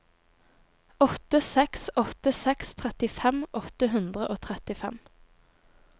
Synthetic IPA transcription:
ɔt̪əsɛksɔt̪əsɛkst̪ʰʁɛt̪ɪfɛmʔɔt̪əɦʉnd̪ʁəʔoːt̪ʰʁɛt̪ɪfɛ̰m

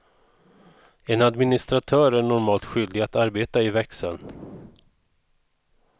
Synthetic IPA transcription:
ɛnad̪mɪnɪst̪ɾat̪ʰœːɾæɳɔɾmɑːlt̪ɧʏld̪ɪɡat̪aɾbeːt̪aɪvɛksə̰n

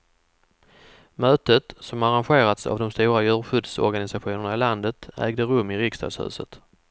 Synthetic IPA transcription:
møːt̪ət̪sɔmaɾanɧeːɾat̪sa̰vd̪ɔmst̪uːɾajʉ̟ːɾɧʏd̪sɔ̰ɾɡanɪsaɧuːnəɳaɪland̪ət̪æ̰ːɡd̪əɾɵmːɪɾɪkst̪ɑ̰d̪shʉ̟̰ːsə̰t̪

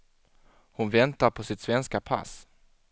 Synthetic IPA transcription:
hʊnvɛnt̪aɾpʰɔsɪt̪svɛnskapʰa̰s

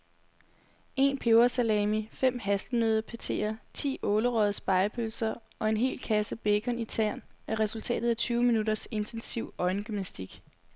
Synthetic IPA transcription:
e̝ːnpʰe̝ʊɐsælɛmifem̰ɦæsd̥əmøːð̞ˠɐpʰæt͡sʰe̝̰ːɐt͡sʰḭːɔ̽ːləʁœð̞̩ˠsb̥ɑ̈ɪpʰølsɐ | ɒ̽e̝nɦe̝̰ːlkʰæsəb̥e̝kʰɒ̽nit͡sʰæɐ̰næɐʁɛsult͡sʰɛ̰ːd̥ð̩ˠæt͡sʰyːʊminudɐse̝nt͡sʰensiʊ̰ɒ̽ɪnɡ̥ymnæsd̥iɡ̥

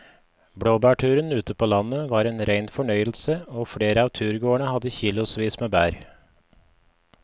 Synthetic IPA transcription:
bɽoːbæːʈʰʉːɾənʉːt̪əpʰoːlɑnəʋɑːɾeːnɾæɪnfɔɳœʏəl̩səoːfɽeːɾəɑːʋt̪ʰʉːɾɡoːəɳəhɑd̪əçiːlʊsʋiːsmeːbæːɾ

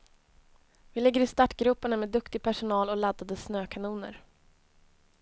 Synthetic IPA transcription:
vɪlɪɡːəɾɪst̪aʈɡɾʉːpaɳəmeːd̪ɵkt̪ɪɡ̚pʰæʂʊnɑːlɔlad̪ːad̪əsnøːkʰanuːnə̰ɾ

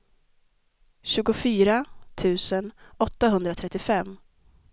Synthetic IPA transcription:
ɕʉ̟ːɡʊfyːɾat̪ʰʉ̟ːsənɔt̪ːaɦɵnd̪ɾat̪ʰɾɛt̪ːɪfɛmː

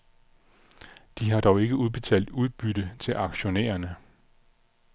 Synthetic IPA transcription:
d̥iɦɑ̈d̥ɒʊe̝ɡ̥əuðˠb̥e̝t͡sʰɛ̰ːl̰d̥uð̞ˠb̥yɾ̥ət͡sʰe̝lʔɑ̈ɡ̥ɕo̝nḛːɐnə

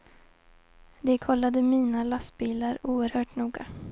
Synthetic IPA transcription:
d̪ɛkʰɔlːad̪əmiːnalast̪biːlaɾuːəɾhœːʈnuːɡa

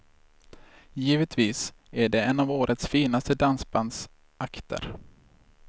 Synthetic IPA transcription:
jiːvət̪ʰviːsæɖɛɛnavoːɾʔət̪sfiːnast̪əd̪ansband̪s | ʔakt̪ʰə̰ɾ

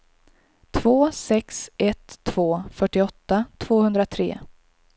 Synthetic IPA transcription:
t̪ʰvoːsɛksʔɛt̪ʰːv̥oːfœʈːɪɔt̪ːat̪ʰv̥oːhɵnd̪ɾat̪ʰɾḛː

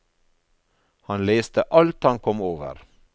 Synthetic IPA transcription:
hɑnleːst̪əʔɑlt̪hɑnkʰɔmoːʋə̰ɾ

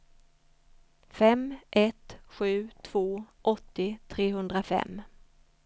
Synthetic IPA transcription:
fɛmʔɛt̪ɧʉ̟ːt̪ʰv̥oːʔɔt̪ːɪt̪ʰɾeːɦɵnd̪ɾafɛ̰m

